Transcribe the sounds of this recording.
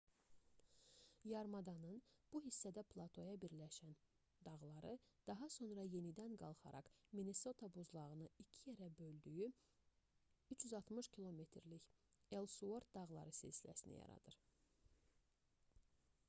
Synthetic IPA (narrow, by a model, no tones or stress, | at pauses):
jɑɾmɑd̪ɑnɯnb̥uɦisːæd̪æpʰlˠɑt̪ʰo̞jɑbiɾlæʃæn | d̪ɑɣlˠɑɾɯd̪̥ɑɦɑso̞nɾɑje̞nid̪ænɡɑlˠχɑ̰ɾʔɑ̰kmineso̞t̪ʰɑbuzlˠɑʁɯnɯicʰijeɾæbø̞ld̪yjy | yt͡ʃʰjyzɑlˠt̪mɯʃcʰilˠomet̪ʰɾliçe̞lˠsuoɾt̪̚d̪ɑɣlˠɑ̰ɾɯsḛsilæ̰sinḭjɑ̰ɾɑ̰d̪ɯɾ